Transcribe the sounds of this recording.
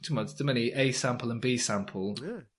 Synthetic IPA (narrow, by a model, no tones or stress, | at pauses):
tʰəməddəməniʔeɪsãmpʰəlˠə̃nbiːsãmpʰəlˠja